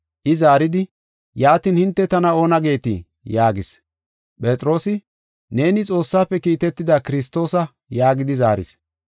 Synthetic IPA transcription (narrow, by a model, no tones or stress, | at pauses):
ʔɪzaːɾɪd̪ɪ | jaːt̪iːnhɪnt̪ːɛt̪ɐnɐo̞ːnɐɡe̞ːt̪ḭ | jaːɡɪs | pʼɛt͡sʼɪɾo̞ːsɪ | ne̞ːnɪt͡sʼo̞ːsːaːpːɛkiːt̪ɛt̪ːɪd̪akɪɾɪs̬t̪ːo̞ːsɐ | jaːɡɪd̪ɪzaːɾɪ̰s